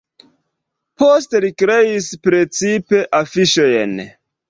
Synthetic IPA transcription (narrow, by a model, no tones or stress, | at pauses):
pos̬telikɾeispɾe̞t͡sipe̞ʔafiʃo̞jḛn